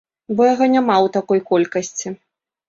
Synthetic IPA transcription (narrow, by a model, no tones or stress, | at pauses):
bɔjaɣɔnʲamawt̪akɔjkɔlʲkɐsʲt͡sʲi